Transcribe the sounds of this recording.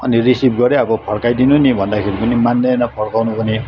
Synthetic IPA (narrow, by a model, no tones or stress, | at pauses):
ʌnirisib̚ɡʌɾeʌbʌpʰʌɽkajd̪inunibʱʌnd̪akʰeɾipʌnimanːejnʌpʰʌɽkawnupʌni